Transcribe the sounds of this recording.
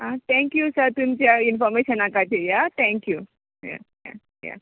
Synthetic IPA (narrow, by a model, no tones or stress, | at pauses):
ɦãt̪ʰɛ̃ŋkjusəɾt̪umt͡ɕjainfɔɾmeɕənakat̪ʰejat̪ʰɛ̃ŋkju | ja̰ja̰ | ja̰